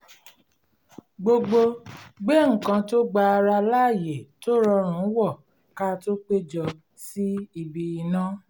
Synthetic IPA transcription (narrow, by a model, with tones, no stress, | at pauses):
ɡ͡bo˧ɡ͡bo˧ɡ͡bɛ˦ŋ̩˨kã˧to˦ɡ͡ba˧ɾa˧la˦˨je˨to˦ɾɔ˧ɾ̃ũ˨˦wɔ˦˨ | ka˦˧to˦k͡pe˦d͡ʒɔ˧ | si˦i˧bi˧i˧nã˦